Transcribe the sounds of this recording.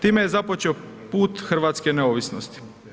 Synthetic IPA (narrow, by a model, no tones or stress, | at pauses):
t̪iːmejezapot͡ʃeo | puːt̪xr̩ʋaːt̪skeneoʋisnost̪i̥